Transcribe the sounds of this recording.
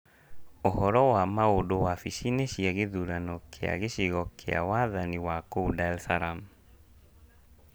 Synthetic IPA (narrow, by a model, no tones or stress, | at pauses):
ohɔɾɔwamaodowafiʃineɕiaɣeðuɾanɔkʰea̰ɣeɕiɣɔkʰḛa̰waðaniwakoudaɛlθaɾam